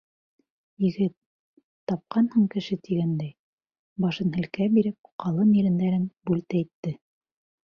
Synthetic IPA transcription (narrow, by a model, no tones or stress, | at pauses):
jɘ̆ɡɘt̪̚ː | ɑp̚qɑnhɤɴkɘ̆ʃɘt̪iɡænd̪æj | bɑʃɤnhɘ̆lkæbiɾɘp̚qɑlˠɤmiɾɘ̆nd̪æɾɘnbʉlt̪æjt̪ːɘ